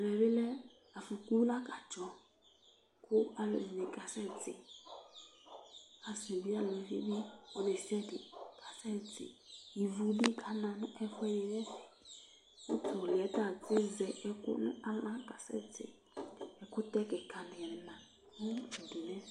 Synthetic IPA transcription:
lɛ˨bɪ˦lɛ˦ | a˨fu˨ku˦la˦ka˨d͡ʒɔ˨ | kʰʊ˦a˨lɔ̰˨zi˨nɪ˨ka˨sɛ˦d͡zɪ̰˨ | a˨su˨bi˦a˦lɔ˨vḭ˦bi˦ɔ˦ne˨sɛ˦dɪ˨kʰa˨sɛ˦d͡zɪ̰˨i˨vu˨bi˦kʰa˨nã˨nʊ˦ʔɛ˦fwɛ˦nɪ˨nɛ̃˦sɪ̥˨ | ʊ˦tʰʊ˨lɪ˨ɛ˨˦ta˦˨d͡zɪ˦zɛ˨ʔɛ˦kʊ̰˦la˦lã˦ka˨sɛ̰˦d͡zɪ̰˨ | ɛ˨kʊ˦tɛ˦kɛ˨ka˨nɪ˨nã˨˦ | u˨dɪ˨nɛ̃˦

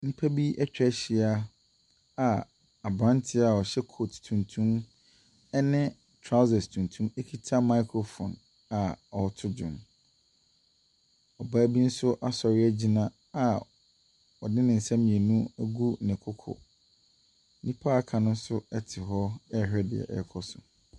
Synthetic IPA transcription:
nĩ˦pʰa˦bi˦ɛ˦t͡ɕᶣɛ˨˦ɕi˨a˦ | a˨ | a˨bɾã˦ntʰɪ˦a˨ɔ˨ɕɛ˦kʰo˨ttʰũ˨ntʰũ˦m | ɛ˦nɪ̃˦ | tʰɾa˦zɛ˨stʰũ˨ntʰũ˦me˦kʰi˦tʰa˦ma˦kʰɾo˨fɔ̰̃˨n | a˨ɔ˨tʰʊ˦d͡ʑʊ̰̃˨m | ɔ˨ba˦bi˦n̩˦sʊ˦ʔa˦sɔ˨ɾɪ˦ɛ˦d͡ʑi˦nã˦ | a˨ | ɔ˨dɪ̃˦nɪ̃˨n̩˨sã˦mĩ˨e˨nũ˦æ˦ɡu˦˨nɪ̃˨kʰʊ˦kʰɔ̰˨˦ | nĩ˦pʰa˦kʰã˨nʊ̃˦sʊ˦ɛ˦tʰɪ˨ɦɔ˦ɛ˦˨ɦɾɛ˦dɪ̰˨ɛ̰˨ʔɛ̰˨kʰɔ˦sʊ˨

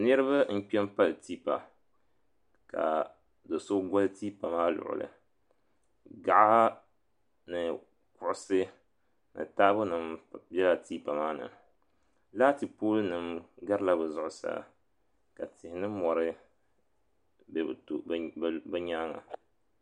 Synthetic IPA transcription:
nɨ˦ɾɨ˦βa˦n̩˦k͡pɛ˦m˦pa˦lɨ˨ti˦pa̰˨ | ka̰˨ | do˨so˦ɡa˦lɨ˦tiː˦pa˨maː˦lʊ̰˨ʔʊ̰˨lɨ̰˨ | ɡa˨ʔa˦ha˦ | nɨ˨ | kʊ˨ʔʊ˦sɨ˦ | nɨ̰˨taː˦bʊ˦nɨ˨mbɛ˦la˦tiː˦pa˨maː˦nɨ̰˨ | laː˦ti˨poː˦lɨ˦nɨ˨mɡa˦ɾɨ˦la˦bɨ˨zʊ˦ʔʊ˨sa̰˨ | ka˨tɪ˨hɪ˨nɨ˦mɔ˨ɾɨ˦ | bbbɨ˦ɲaː˦ŋa̰˨

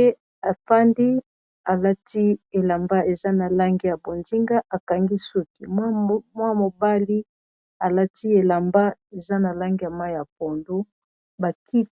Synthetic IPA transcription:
e˦ | a˨fa˦ndi˦ | a˨la˦ti˦e˨la˨mba˦e˨za˦na˨la˦ŋɡi˦ja˨bo˨nzi˦ŋɡa˦ʔa˨ka˨ŋɡi˦su˦ki˨m˦mwa˦mo˨ba˦li˦ | a˨la˦ti˦e˨la˨mba˦e˨za˦na˨la˦ŋɡi˦ja˨ma˦i˦ja˨p̚o˨ndo˦ | ba˨ki˦t

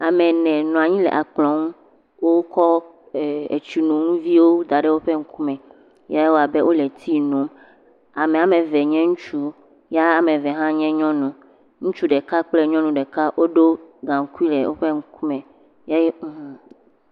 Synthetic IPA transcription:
a˨mɛ̃˨nɛ̃˨nɔ̃˨a˨ɲĩ˦lɛ̰˨ʔa˨k͡plɔ̃˨˦ŋ˦ | wo˦kɔ˦˨ | ḛ˨t͡ʃu˨nũ˨ŋũ˦vi˦wo˦d̪a˨ɖɛ˦wo˦ɸe˦ŋ̩˦ku˦mɛ̃˨ | ja˦je˦wo˦a˨be˦ʔo˦le˨t̪ʰi˦nõ˨˦m | a˨mẽ˨a˨mɛ̃˨vɛ˨ɲɛ̃˦ŋũ˦t͡ʃu˦ | ja˦a˨mẽ˨vɛ˨ɦã˦ɲɛ̃˦ɲɔ̃˦nũ˨ | ŋũ˦t͡ʃu˦ɖɛ˨ka˦k͡ple˦ɲɔ̃˦nũ˨ɖe˨ka˦wʔo˦ɖo˦ɡã˨ŋ˦ku˦i˦lɛ̰˨wʔo̰˦ɸe˦ŋ̩˦ku˦mɛ̃˨ | ja˦jẽ˦˨

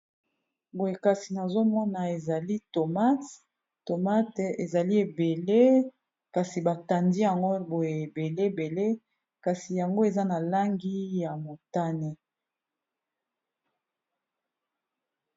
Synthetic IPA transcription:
bo˨je˨ka˨si˨na˨zo˦mɔ˦na˨e˨za˨li˦to˨ma˦t | to˨ma˦te˨za˨li˦e˨be˨le˦ | ka˨si˨ba˨ta˨ndi˦ja˨ŋɡo˦bo˨je˨e˨be˨le˦˨be˨le˦ | ka˨si˨ja˨ŋɡo˦e˨za˦na˨la˦ŋɡi˦ja˨mo˨ta˦ne˦

